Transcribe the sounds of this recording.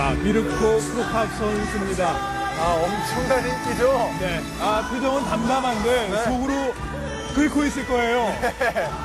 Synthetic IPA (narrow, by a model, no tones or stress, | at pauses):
amiɾɯk̚tʰokʰokʰap̚s͈ʌns͈ɯmɲida | aʌmt͡ɕʰʌŋdaɲik͈ud͡ʑone̞ | apʰjod͡ʑʌŋɯntamdamɦandesoɡɯɾo | kɯɭkʰois͈ɯɭk͈ʌe̞jo